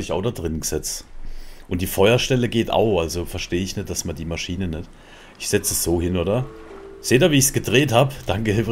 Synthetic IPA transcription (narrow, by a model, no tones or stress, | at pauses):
lɪçaʊxdadʁɪnɡəz̥ɛt͡stʔʊnt̚d̥iːfɔʏɐʃtɛləɡeːta̰ʊxʔalzofɛɐʃteːəɪçnɛt̚d̥asmandiːmaʃiːnənɛt | ʔɪçz̥ɛt͡səsz̥oːhɪnoːdɐ | z̥eːdaːviːɪçsɡ̥ədʁeːthaːbəd̥aŋkəhɪf